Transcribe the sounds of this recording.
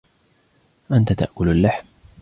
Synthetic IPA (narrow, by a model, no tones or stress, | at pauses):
ʔant̪at̪a̰ʔkʊlalːaħm